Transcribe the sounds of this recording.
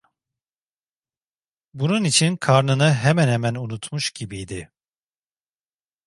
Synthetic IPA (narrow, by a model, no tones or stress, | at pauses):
bununit͡ʃʰinkʰaɾnɯnɯɦɛmænɦɛmænunut̪ʰmuʃɟibijd̪ɪ